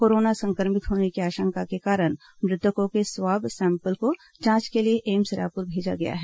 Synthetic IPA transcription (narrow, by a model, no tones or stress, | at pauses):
koːɾoːnasɐ̃ŋkəɾmɪt̪ɦoːnekiaːʃə̃ŋkakekaːɾəɽ̃ | mɾɪd̪əkõkeswaːbʱsɛ̃ːmpəlko | d͡ʒãːt͡ʃkelieʔeːmsɪɾa̰ːpʊɾbʱeːd͡ʒa̰ɡɐja̰ɦɛː